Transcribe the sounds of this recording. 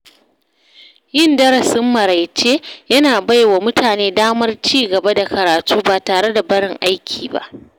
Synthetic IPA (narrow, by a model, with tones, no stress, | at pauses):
jɪ˦˨ndɐ˦ɾɐ˨sɪ˦mːɐ˨ɾa˨jt͡ʃeː˦jɐ˦naː˨ba˦jwa˨mʊ˦tʰaː˨neː˦daː˦mɐ˦rt͡ʃiː˦ɡɐ˨ba˦da˨kɐ˨ɾaː˨tuː˦baː˨taː˨ɽe˦da˨bɐ˦ɽɪ˨ŋʔa˦jkʲʰiː˨ba̰˦ʔ